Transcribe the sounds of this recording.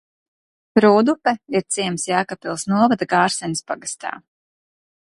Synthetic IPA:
pɾuːd̪upɛiɾt̪siɛmsjaːkapilˠsnuɔvad̪aɡaːɾsɛɲispaɡast̪a̰ː

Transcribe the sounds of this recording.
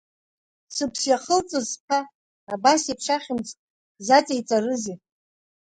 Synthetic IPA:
sɨpʰsjaχəlt͡sʼɨzpʰa | abasipʰʂaχʲɪmt͡sʼtʼ | zat͡sʼejt͡sʼarɨzi

